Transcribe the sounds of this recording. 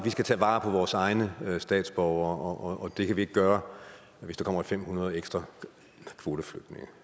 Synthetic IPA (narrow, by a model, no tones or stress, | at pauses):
ʋisɡ̥æt͡sʰɛ̰ːʋɑ̈ːpʰɒ̽ʋɒːsɑ̈ɪnəsd̥ɛ̰ːd̥sb̥ɒʊɐːʔɒʔɒʔːd̥e̝kʰæʋie̝ɡ̥ɡ̥ɶːɐ | ʋesd̥ɑkɒ̽m̰ɐfem̰hunɐð̞ˠeɡ̥sd̥ʁɐ | kʰʋo̝ːd̥əflød̥ne̝ŋə